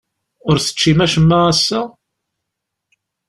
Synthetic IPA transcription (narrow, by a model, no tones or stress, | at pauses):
ʊɾθə̥t͡ʃːimæʃəmːæʁæsːæ